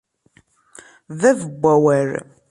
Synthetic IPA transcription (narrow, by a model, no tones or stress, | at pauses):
ðæðəbʷːæwæɾ